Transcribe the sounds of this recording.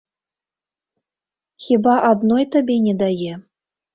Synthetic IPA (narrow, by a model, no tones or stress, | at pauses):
xʲibɑʔad̪nojt̪əbʲenʲed̪aje